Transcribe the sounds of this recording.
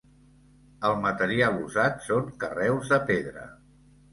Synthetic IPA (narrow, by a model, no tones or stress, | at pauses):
əlˠmət̪əɾialˠuzat̪soŋkərɛwzðəpeðɾə̰